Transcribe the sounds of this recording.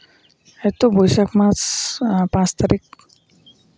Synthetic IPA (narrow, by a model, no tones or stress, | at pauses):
ɛt̪obojsakmãt͡spãt͡st̪aɾik̚